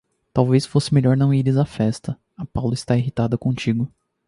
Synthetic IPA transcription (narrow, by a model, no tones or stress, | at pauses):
t̪awvesfosɪmeʎɔɾnɐ̃w̃iɾɪzɐfɛst̪ɐ | ɐpawlɐɪst̪aiɦit̪ad̪ɐkõt͡ʃiɡʊ